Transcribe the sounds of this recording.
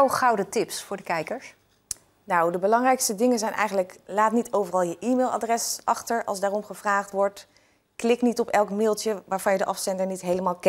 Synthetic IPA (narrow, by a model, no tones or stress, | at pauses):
wχɑwdətɪpsfʊːɹdəkɛjkəɹs | nawdəbəlɑŋrɛjkstədɪŋənzɛjnʔɛ̰jχənləklaːtnitʰowvərɑlˠjəʔimelˠa̰drɛsʔɑχtəɹɑ̰lˠzdaːrɔmχəv̥raːχtʋɔɹt | klɪknitɔpɛlˠkmɪːlˠtjəʋaːɹvɑnjədəʔɑfstɛndənitɦejləmaːlˠkɛ